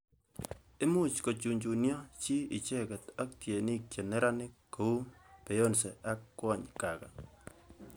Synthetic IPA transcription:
e˦mu˦t͡ʃko˨t͡ʃu˨ɲt͡ʃu˨njɔ˦t͡ʃi˦ɪ˨t͡ʃe˦kɛ˨ta˦k̚tje˨ni˦k̚t͡ʃe˨ne˦ɾa˦nɪ˦kːo˨u˦pe˨jo˦nsɛ˨a˦kːwɔ˦˨ɲka˨ka̰˨

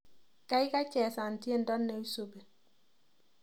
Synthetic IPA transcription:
ka˦ɪ˦ka˦t͡ʃɛ˨sa˨n˨tje˦ndɔ˦nːe˨i˦so˨be˨

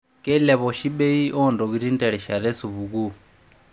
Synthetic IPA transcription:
kɛ˦lɛ˨βɔ˨ʃi˦ɓe˦i˦ʔɔ˦ndɔ˨ki˨ɾi˦n˦tʼɛ˨ɺɛ˨ʃa˨ɾɛ˦su˨βu˨ku˦

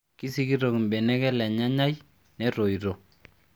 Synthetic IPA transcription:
ki˦si˦ki˦ɾo˨ki˨mbɛ˨nɛ˦kɛ˦lɛ˨ɲa˦ɲa˦j | nɛ˦ɾo˨i˨ɾo˨

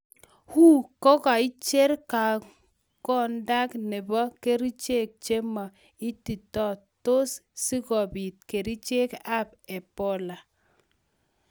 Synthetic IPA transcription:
hu˦kɔ˦ka˨i˦t͡ʃe˦ɾka˨ | kɔ˦˨nda˦kne˨bɔ˦ke˦ɾi˦t͡ʃe˦˨k̚t͡ʃe˦ma˨ | i˦ti˨tɔ˦˨to˦ssi˦kɔ˨bi˨t̚ke˨ɾi˦t͡ʃe˦ka˦˨p | ɛ˨pɔ˦la˨

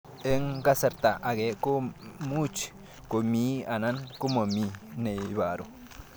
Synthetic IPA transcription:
e˦ŋɡa˦se˨ɾt̪a˨ʔːɡe˨˦ko˦mu˦t͡ʃ | ko˨mi˦a˨na˦nku˦ma˨mi˨ne˨jβa˨ɾu˨

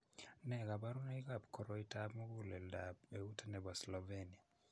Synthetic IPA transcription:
nɛ˨ɡa˨ba˦ɾu˦na˦i˦ka˨pkɔ˨ɾɔitabmɔ˦ɡu˦lɛ˨ldabe˨u˦te˦nɛ˨ba˨slɔveni˨a˨

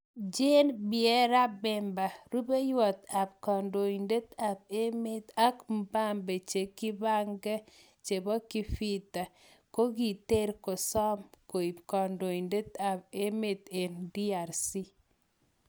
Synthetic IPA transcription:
d͡ʒe˦nbɪɛ˦ɾa˦bɛ˨mba˨ɾu˦be˦jwɔ˨t̪a˨b̚kɔ˨ndo˨i˨nde˦t̪a˨b̚e˦me˦t̪a˦km˦ba˦mbe˨t͡ʃe˨ki˦ba˦ŋɡɛ˦ | t͡ʃe˨bɔ˦ki˦fi˦t̪a˨ | ko˦ɡi˨t̪e˦ɾkɔ˨sɔ˦mko˨i˨bkɔ˨ndo˨i˨nde˦t̪a˨p̚e˦me˨t̪e˨ndi˦a˨ɾsi˦

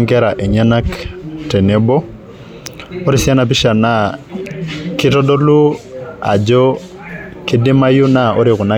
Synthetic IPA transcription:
ŋkɛ˦ɾa˨ʔɛ˨ɲanaktɛ˨nɛbɔ˦ | oɾi˨sia˦na˨p̬i˦ʃa˨na | kitɔdo˦lu˦a̰˨d͡ʒɔ | ki˦di˦ma˦juna˦o̰˦ɾiku˨na˦

